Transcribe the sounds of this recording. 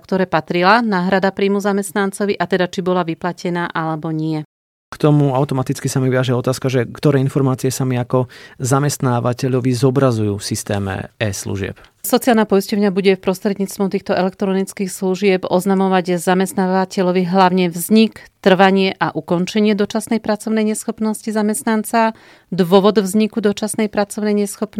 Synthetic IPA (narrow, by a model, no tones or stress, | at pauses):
kt̪ɔɾɛːpat̪ɾilanaːɦɾad̪apɾiːmuzamɛst̪nant͡sɔʋiʔat̪ɛd̪at͡ʃibɔlaʋiplacɛnaːʔalɛbɔɲɪɛ | kt̪ɔmuaʊt̪ɔmat̪it͡skisamiʋiaʒɛɔt̪aːskaʒɛkt̪ɔɾɛːinfɔɾmaːt͡siɪɛsamiakɔzamɛst̪naːʋacɛʎɔʋizɔbɾazujuːfsist̪ɛːmɛ̰ɛslṵʒɪɛ̰p | sɔt͡sijalnapɔiscɔʊɲabuɟɛfpɾɔst̪ɾɛd̪ɲiːt͡st̪ʋɔt̪iːxt̪ɔʔɛlɛk̚t̪ɾɔnit͡skixsluʒɪɛpɔznamɔʋaɟzamɛst̪naːʋacɛʎɔʋiɦlaʊɲɛʋzɲikt̪r̩ʋaɲɪɛʔaʔukɔnt͡ʃɛɲɪɛd̪ɔt͡ʃasnɛjpɾat͡sɔʊnɛjɲɛsxɔpnɔscizamɛst̪nant͡sa | d̪ʋɔʋɔd̪vzɲikud̪ɔt͡ʃasnɛjpɾat͡sɔʊnɛjɲɛsxɔpn